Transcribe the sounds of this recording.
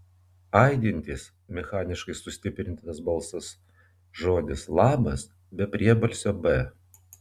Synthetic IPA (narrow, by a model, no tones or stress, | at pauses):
ɐɪd̪ʲɪnʲt̪ʲiːs | mʲɛxɑːnʲɪʃkɐɪsʊsʲt̪ʲɪpʲɾʲɪnʲt̪ʲɪnɐsbɐlˠsɐs | ʒoːd̪ʲɪslˠɑːmɐs | bʲɛpʲɾʲiɛbɐlʲsʲoːbɛ